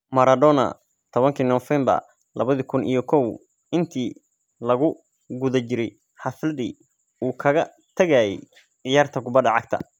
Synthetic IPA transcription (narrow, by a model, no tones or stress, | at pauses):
mɐɾɐd̪ɔnɐ̰ | t̪ʰɔβɐŋkʰinɔfɛmbɐ̰r | lɐ̰βɐðikʰʊnḭjɞkʰɔw | ɪnt̪ʰiː | lɐɣʊ | ɡʊðɐt͡ʃɪɾɛj | ħɑflɐðḭː | uːkʰɐɣɐ | t̪ʰɐɣajɛ̰j | ʕɪjaːrt̪ʰɐɡʊbɐd̪ɐʕɑɡ̚t̪ʰɐ̰